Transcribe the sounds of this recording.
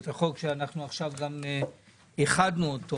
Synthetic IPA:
t̪aχokʃeanaχnuaχʃavɡame | eχad̪nuodt̪ːo

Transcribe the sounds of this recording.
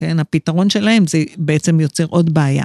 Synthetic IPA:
ke̞napitaʁo̞nʃe̞lahe̞mzebeet͡se̞mjo̞t͡se̞ʁʔo̞dbeaja̰

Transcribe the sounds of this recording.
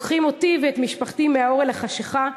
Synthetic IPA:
kχimo̞tiveet̪miʃpaχtimeao̞ʁelaχaʃeχa

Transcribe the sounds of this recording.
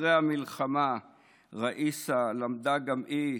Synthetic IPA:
ʁeamilχama | ʁaʔisalamd̪aɡamʔi

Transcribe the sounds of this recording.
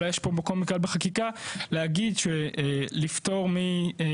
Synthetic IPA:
ajeʃpobekolmikalbeχakikaleaɡidʃelift̪o̞ʁmi

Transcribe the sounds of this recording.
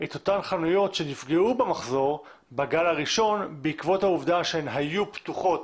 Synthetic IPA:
et̪o̞t̪anχanujo̞tʃe̞nifɡeubemaχzo̞ʁ | baɡalaʁiʃo̞nbeikvo̞t̪hauvd̪aʃeenɦajupt̪uχo̞t̪

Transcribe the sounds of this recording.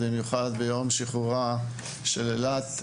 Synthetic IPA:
bimjuχad̪bejo̞mʃiχuʁa | ʃelelat̪

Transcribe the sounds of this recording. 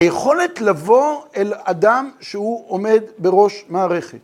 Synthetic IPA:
ajeχo̞letlavo̞elad̪amʃehuʔome̞d̪be̞ʁo̞ʃmaːʁe̞χet̪

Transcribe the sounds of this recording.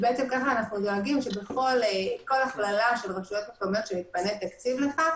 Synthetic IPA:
beet͡se̞mkaχaːnaχnudo̞aɡimʃe̞beχo̞leko̞laχlalaʃe̞lʁeʃujo̞t̪mep̚omijot̪ʃemit̪̚panet̪akt͡sivle̞χa

